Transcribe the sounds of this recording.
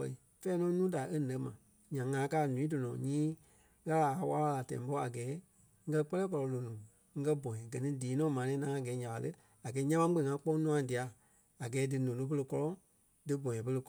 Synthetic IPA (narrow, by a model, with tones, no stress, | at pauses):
ɛ̰˧i˨ | fɛː˦nɔ̃˨˦nũː˦da˨ʔe˦nɛ̃˨˦mã˨ | ɲã˨ŋã˨˦kaː˦˨nũ˨ĩ˨˦do˨nɔ̃ː˨ɲĩː˦ | ɣa˦la˨a˨˧˦wa˦wa˧la˨tɛ̰̃˨˦bɔ˦a˨ɡɛː˨˦ | ŋ̩˦kɜ˦˧k͡pɜ˦lɛː˦k̬ɔ˧lɔ˨˧lo˨nũː˨ | ŋ̩˦kɜ˦bɔ̃˨jɛ̃˨ɡɜ˨nĩ˦diː˨˦nɔ̃ː˨˦mã˨nɛ̃ː˨˦nã˨˦ã˦˨ɡɛː˨˦ɲã˨a˨lə˦ | a˨ɡɛː˨˦ɲã˦ã˦k͡pẽ˧˨ŋã˧k͡pɔ˦nũ˦ã˨di˨a˨ | a˨ɡɛː˨˦dɨ˨nũː˨lo˨˦p̬ə˧lə˧kɔ˦lɔ̃˦ | dɨ˨˦bɔ̃˨ɛ̃˨pə˧lə˧